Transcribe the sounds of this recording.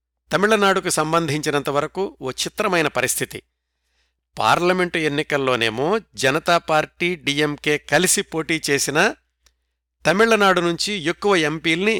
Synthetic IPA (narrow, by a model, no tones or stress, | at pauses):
t̪ɐmiɭːɐnaːɽukusɐmbɐnd̪ʱiɲt͡ʃinɐnt̪ɐʋɐɾɐkuoːt͡ʃit̪ɾɐmɐjnɐpɐɾist̪ʰit̪ḭ | pa̰ːɾlɐme̞ɳʈe̞nːikɐlːo̞ːne̞ːmo̞ːd͡ʒɐnɐt̪aːpaːɾʈiːɖiːemke̞ːkɐlisipo̞ːʈiːt͡ʃe̞ːsinɐ | t̪ɐmiɭːɐnaːɽunuɲt͡ʃijokːuʋɐe̞mpiːlni